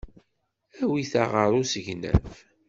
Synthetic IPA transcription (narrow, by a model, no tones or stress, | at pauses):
æwiθaʁəɾˤusəʝnæ̰f